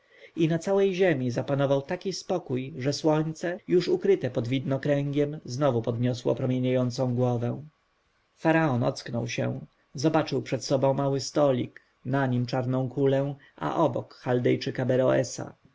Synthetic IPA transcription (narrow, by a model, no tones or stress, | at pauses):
inat̪sawɛjʑemʲizapanɔvawt̪akʲispɔkujʐɛswɔɲt̪sɛjuʂukɾɘt̪ɛpɔd̪vʲid̪nɔkɾɛŋɡʲjɛmznɔvupɔd̪ɲɔswɔ̰pɾɔmʲjeɲajɔnt̪sɔ̃w̃ɡwɔvɛ̃ | faɾaɔnɔ̰t̪sknɔwɕɛ̰̃ | zɔbat͡ʂɘwpʂɛt̪sɔbɔ̃w̃mawɘst̪ɔlʲḭk | naɲimt͡ʂaɾnɔ̃w̃kulɛ | ʔa̰ʔɔbɔkxald̪ɛjt͡ʂɘkabɛɾɔɛ̰sa̰